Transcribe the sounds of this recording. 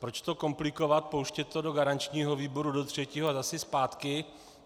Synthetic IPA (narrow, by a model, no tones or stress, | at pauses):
pɾot͡ʃt̪o̞ko̞mplɪko̞vat̪̚powʃcɛt̪odoɡaɾant͡ʃɲiːɦoviːbo̞ɾudot̪r̝̥ɛciːɦozasɪspaːt̪kɪ